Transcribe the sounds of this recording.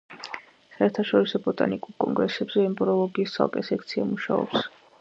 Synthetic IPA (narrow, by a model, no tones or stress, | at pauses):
saɛɾt̪ʰaʃɔɾisɔbɔt̪ʼa̰nikʼuɾkʼɔŋɡɾɛsɛbzɛːmbɾɔlˠɔɡiːst̪sʰa̰lˠkʼɛsɛkʰt̪sʰiamuʃa̰ɔ̰ps